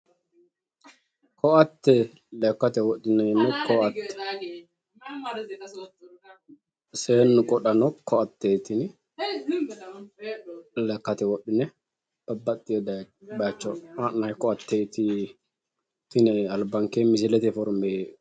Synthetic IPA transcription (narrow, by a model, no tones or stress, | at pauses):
kʰɔɐt̪ːɛ | lɛkːɐt̪ɛwɔɗɪnɛnːɛkʰɔɐt̪ːɛ̥ | seːnːʊkʼɔɗɐnɔkʰːɔɐt̪ːɛt̪ɪn | lɛkːɐt̪ɛwɔɗːɪnɛ | b̥ɐbːɐt̪ʼːɪjɔd̪ɐbɐt͡ʃːɔaʔnɐjkɔɐt̪ːɛt̪i | t̪ɪnɛɐlbɐŋkemɪsɪlɛt̪ɛfɔɾme